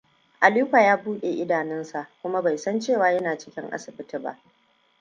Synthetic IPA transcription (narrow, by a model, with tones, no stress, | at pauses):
ʔa˨liː˦ɸaː˨jaː˦buː˦ɗe˨ʔɪ˦daː˨nɪ˦nsa˨ʔkʷʊ˦ma˦ba˨jsɐ˦nt͡ʃeː˦˨waː˨˦jɐ˦naː˨t͡ʃɪ̥˦kʲɪ˦ŋʔa̰˦sɪ˨bɪ˦ti˦ba̰˦ʔ